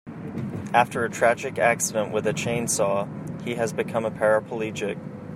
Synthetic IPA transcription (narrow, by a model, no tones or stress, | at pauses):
ʔæftə˞ɨtʰɹ̥æd͡ʒɨkæksɨɾə̃nʔwəðɨt͡ʃʰẽɪ̃nsɔ | iɨzbɨkʰʌ̃məpʰɛɹɨpʰəlid͡ʒɪk̚